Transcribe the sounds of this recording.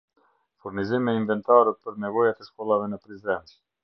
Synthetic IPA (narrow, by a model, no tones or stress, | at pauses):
fuɾnizimɛinvɛnt̪aɾəpəɾnɛvɔjat̪ɛʃkɔlˠavɛnəpɾizd̪ɛnt̪